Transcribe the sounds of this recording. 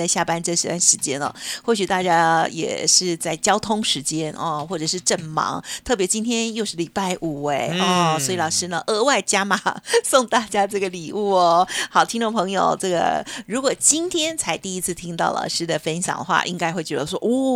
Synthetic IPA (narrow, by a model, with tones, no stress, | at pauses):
a˥˧ɪɕja˥˩pa˥nʈ͡ʂɤ˥˩ʂɻ̩˧˥t̪wa˥˩nʂɻ̩˧˥t͡ɕjɛ˥nə̰˨˩xwɔ˥˩ɕy˨˩t̪a˥˩t͡ɕja˥jɛ̰˨˩ʂɻ̩˥˧t͡sa˥˩ɪt͡ɕjɑ˥ʊt̪ʰʊ˥ŋʂɻ̩˧˥t͡ɕjɛ˥nʔɔ̰˧xwɔ˥˩ʈ͡ʂɤ˨˩ʂɻ̩˥˧ʈ͡ʂə˥˩nmɑ̰˧˥ŋt̪ʰɤ˥˩p̬jɛ˧˥t͡ɕi˥nt̪ʰjɛ˥njo˥˧ʊʂɻ̩˥˩li˨˩pa˥˩ɪʔu˨˩we˥˩ɪɔ˥˧˩swi˧lɑ˨˩ʂɻ̩˥nə˨ʔə˧˥wa˥˩ɪt͡ɕja˥ma̰˨˩sʊ˥˧ŋt̪a˥˩t͡ɕja˥ʈ͡ʂɤ˥˩ɡə˩li˨˩u˥˩ɔ˩xɑ˨˩ʊt̪ʰi˥ŋʈ͡ʂŋpʰɤ˧˥ŋjo˨ʊʈ͡ʂɤ˥˩ɡə̰˩ɻu˧˥kwɔ˨˩t͡ɕi˥nt̪ʰjɛ˥nt͡sʰa˧˥ɪt̪i˥˩i˥t͡sʰɹ̩˥˩t̪ʰi˥ŋt̪ɑ˥˩ʊlʔɑ̰˨˩ʊʂɻ̩˥d̪ə˨fə˥nɕjɑ̰˨˩ŋd̪ə˦xwa̰˧˩ʔḭ˥ŋka˥ɪxwe˥˩ɪt͡ɕɥɛ˧˥d̪ə˧ʂwɔ˥ʔɔ˥˩